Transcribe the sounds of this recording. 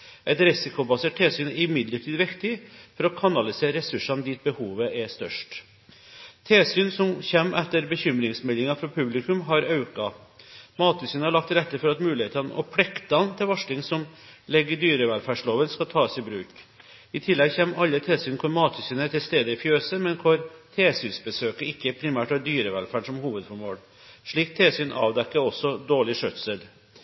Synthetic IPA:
ʔɛt̪ɾɪsɪkʊbɑseːʈ̚t̪ʰeːsyːnəɪmɪd̪ləʈʰiːd̪ʋɪkt̪ɪfɔɾɔkʰɑnɑlɪseːɾɛsʉʂɑnd̪iːt̪̚bəhuːʋəʔɛst̪œ̰ʂʈ | t̪ʰeːsyːnsɔmçɛmːʔɛt̪ːəɾbəçʏmɾɪŋsmɛlːɪŋɑfɾɑpʰʉblɪkʉmɦɑɾɑʉkɑmɑːt̪ʰʉsiːnəhɑɭɑk̚t̪ɾɛt̪ːəfɔɾɑt̪mʉːlɪheːt̪ɑn̰ʔɔ̰pʰɽɛkt̪ɑnt̪ʰɪlʋɑʂlɪŋsɔmlɛɡːəɖyːɾəʋɛlfæːʂloːʋənskɑt̪ʰɑːsɪbɾʉːk | ɪt̪ʰɪlːɛɡçɛmːɑlːət̪ʰeːsyːnkʰʊɾmɑːt̪ʰʉsyːnət̪ɪlst̪eːd̪əɪfjøːsəmɛnkʰʊɾt̪ʰeːsyːnsbəsøːkəɪkːəpʰɾɪmæːʈɑd̪yːɾəʋɛlfæːɖʂɔmhuːʋəd̪fɔɾmoːl | ʂɭiːk̚t̪ʰeːsyːnʔɑ̰ːʋd̪ɛkːəɔsːɔd̪oːɭɪʂœt̪səl

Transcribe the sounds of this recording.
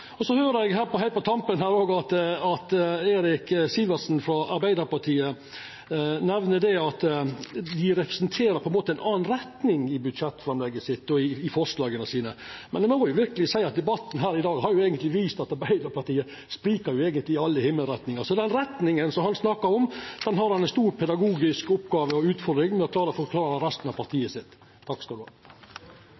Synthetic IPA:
ɔsɔhøːɾəɛɡɦæːɾpɔhæɪt̪̚pʰɔt̪ʰɑmpənɦæːɾoːɡɑt̪ɑt̪eːɾɪksilʋəsnfɾɔɑɾbæɪd̪əɾpɑʈ̪ʰiːə | nɛʋnəd̪ɛɑt̪ | d̪ɪɾɛpɾɛ̥sɛnt̪ʰeːɾəpʰɔɛnmoːt̪əæɪnʔɑːnɾɛt̪nɪŋɪbʉd̪ʂɛt̪ːfɾɑmlɛɡːəsɪt̪ːɔɪːfɔʂlɑːɡənəsiːnəmɛnɛmmɔjʊʋɪɾkəlɪsæɪɑt̪̚d̪ɛbɑt̪ːn̩ɦæːɾɪd̪ɑːɡhɑɾjʊeːɡənt̪lɪʋiːst̪ɑt̪ɑɾbæɪd̪əɾpʰɑɾt̪iːə | spɾiːkəɾjʊeːɡənt̪lɪɑlːəhɪmːəlɾɛt̪nɪŋɑsɔd̪ɛnɾɛt̪nɪŋənsɔmhɑnsnɑkːɑɾɔmd̪̥ɛnɦɑɾhɑnɛnst̪uːɾpʰɛd̪ɑɡuːɡɪskʊpːɡɑːʋəɔʉːt̪fɔɾd̪ɾɪŋmɛɔkʰlɑːɾəfɔɾkʰlɑːɾəɾɛst̪nɑʋpʰɑɾt̪ʰiːəsɪt̪ʰː | ɑkːskɑld̪ʉɑ

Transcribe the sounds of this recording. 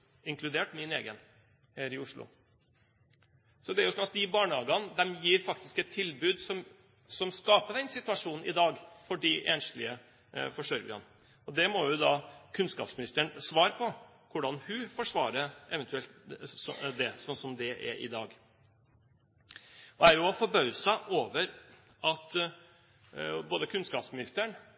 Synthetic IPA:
ɪŋklʉd̪eːʈmɪneːɡən | hæːɾɪʊʂɭʊ̰ | sɔd̪ɛæɾjʊsɔnɑt̪̚d̪ɪbɑːɳəhɑːɡɑnd̪ɛmjiːɾfɑkt̪ɪ̥skɛt̪ʰːɪlbʉːd̪sɔm | sɔmskɑːpəd̪ɛnsɪt̪ʉɑʂuːnn̩ɪd̪ɑːɡfɔɖiʔeːnʂlɪə | fɔʂœɾɡɪɑ̰n | ɔd̪ɛmɔjʊd̪ɑkʰʉnskɑ̰ːpsmɪnɪst̪əɳsʋɑːɾəpʰɔ | kʰʊɖɑnhʉfɔʂʋɑːɾəɾɛʋɛnt̪ʉɛlt̪ | d̪ɛsɔnsɔmd̪ɛʔæ̰ʔɪ̰d̪ɑːɡ | æɾjʊɔfɔɾbœʉsɑʔoːʋəɾ | ɑt̪ | boːd̪əkʰʉnskɑːpsmɪnɪst̪əɳ

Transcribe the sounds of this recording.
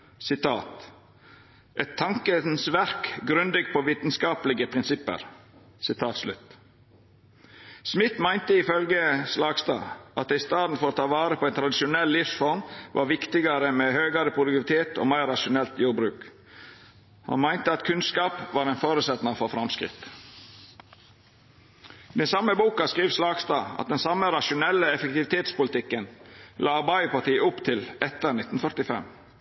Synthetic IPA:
sɪt̪ʰɑːt̪ | ʔɛt̪ʰːɑŋkənsʋæɾkɡɾʉnd̪ɪɡpʰoːʋiːt̪n̩skɑːplɪɡəpʰɾɪnsɪpə̰ɾ | sɪt̪ʰɑːt̪slʉt̪ | smɪt̪mæɪnt̪əɪfœlɡəslɑːɡst̪ɑ̰ːʔɑt̪̚d̪æɪst̪ɑːd̪n̩fɔɾot̪ʰɑːʋɑːɾəpʰoːɛɪnt̪ɾɑd̪ɪʃʊnɛllːɪfsfɔɾmʋʔɑ̰ːɾʋɪkt̪ɪɡɑɾəmɛhøːɡɑɾəpʰʊd̪ək̪ɪʋɪt̪ʰeːt̪o̰ːmæɪɾːɑʃʊnɛlt̪juːɾbɾʉːk | hɑ̰nmæɪnt̪əɑt̪kʰʉnskɑːpʋɑːɾɛɪnfoːɾʉsɛt̪nəfɔɾfɾɑmskɾɪ̰t̪ | d̪ɛnsɑmːəbuːkɑskɾiːʋslɑːɡst̪ɑ̰ːɑ̰t̪̚d̪ɛnsɑməɾɑʃʊnɛlːəɛfək̚t̪ɪʋɪt̪ʰeːt̪spʊlt̪ɪkːənlʔɑːɑɾbæɪəpɑt̪iːəʊpt̪ʰɪlɛt̪əɾnɪt̪ːn̩fœɾt̪ɪfɛ̰m

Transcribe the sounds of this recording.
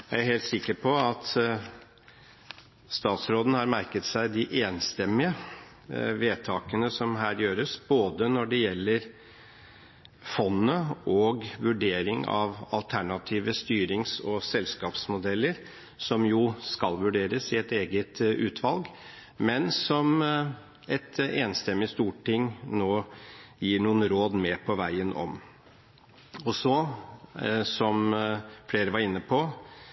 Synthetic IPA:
jææɾheːlt̪sɪkːəɾpʰɔɑt̪ | st̪ɑːt̪sɾoːd̪n̩hɑɾmæɾkət̪sæɪd̪ɪʔeːnst̪ɛmːɪə | ʋeːt̪ʰɑːkənəsɔmɦæːɾjøːɾəsb̥oːd̪ənɔɖɛjɛlːəɾ | fɔnːəɔɡʋʉɖeːɾɪŋɑ̰ʋɑ̰lt̪ʰæɳɑt̪ʰiːʋəst̪yːɾɪŋsɔsɛlskɑːpsmʊd̪ɛlːəɾ | sɔmjuːskɑlʋʉɖeːɾəsɪɛt̪eːɡət̪ʉːt̪ʰʋɑlɡ | mɛnsɔm | ɛt̪eːnst̪ɛmːɪst̪uːʈʰːɪŋnoːjiːɳuːənɾoːd̪meːpʰɔʋæɪənʔɔ̰m | ɔsɔ | sɔmfleːɾəʋɑɾɪnːəpʰɔ

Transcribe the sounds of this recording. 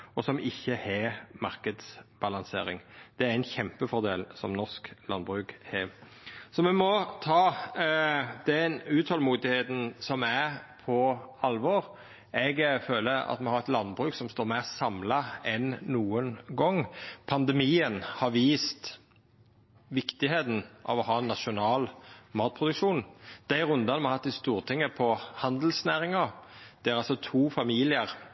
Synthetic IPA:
ɔsɔmɪçːəhɛmɑɾkəd̪sb̥ɑlɑnsḛːɾɪŋd̪̥ɛæɾɪnçɛmpəfɔʁd̪ḛːlsɔ̰mnɔsklɑ̰nbʁʉːkhɛ | sɔmɛmɔt̪ʰɑː | d̪̥ɛnʉːt̪hɔlmuːd̪ɪheːt̪n̩sɔmæɾpʰɔɑlʋɔɾ | ɛɡføːləɾɑ̰t̪mɛhɑɾɛt̪lɑnːbɾʉːksɔmst̪oːɾmæɪʁsɑmlɑɛnːuːənɡɔŋːpʰɑnd̪ɛmiːənhɑɾʋiːst̪ | ʋɪkt̪ɪɦeːt̪n̩ʔɑ̰ʋɔɦɑːnːɑʃʊnɑːlmɑːt̪̚pʰʁʊd̪ʉkʂuːnd̪̥æɪɾʉnd̪ɑnmɛɑɾhɑt̪ːɪst̪uːʁt̪ʰɪŋːəpʰɔhɑnd̪l̩snæːɾɪŋɑd̪̥ɛæɾɑlsɔt̪ʰuːfɑmiːlɪəʁ

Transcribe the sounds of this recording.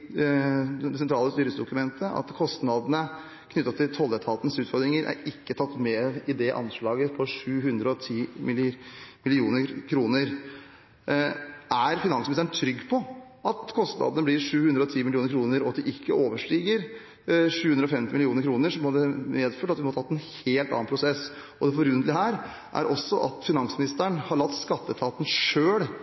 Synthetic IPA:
d̪ɛsɛnt̪ʰɾɑːləst̪yːɾəsd̪ʊkʉmɛnt̪ʰəʔɑ̰t̪kʰɔst̪nɑd̪ənə | kʰnʏt̪ːɑt̪ʰːɪlt̪ʰɔld̪ət̪ʰɑːt̪ən̩sʉːt̪fɔɾd̪ɾɪŋəɾʔæ̰ɾɪkːət̪ʰɑt̪ːmeːɪd̪ɛʔɑ̰nʂɭɑːɡəpʰɔʂʉːɦʉnd̪ɾəɔt̪ʰiːmɪlmɪlɪuːnəɾkʰɾuːnəɾ | ʔæɾfɪnɑnsmɪɪsənt̪ʰɾʏɡːpʰɔ | ʔɑt̪kʰɔst̪nʔɑ̰d̪nəblɪɾʂʉːhʉnd̪ɾəɔt̪ʰiːmɪlɪuːɾkʰɾuːnəɾɔt̪d̪ɪʔɪkʰːəoːʋəʂʈiːɡəɾ | ʂʉːhʉnd̪ɾɔfɛmt̪ɪmɪlɪuːnəɾkʰɾuːnəɾʂɔmhɑd̪ɛmeːd̪føːʈɑt̪ʋɪmɔɑt̪ʰɑt̪ːɛnheːlt̪ɑ̰ːɑnpʰɾʊsɛs | ɔd̪ɛfɔɾʉːnlɪhæːɾ | ʔæ̰ɾʔɔsːɔʔɑt̪fɪnɑnsmɪnɪst̪əɳhɑɭɑt̪ːskɑt̪ːət̪ʰɑːt̪n̩ʂøːɽ

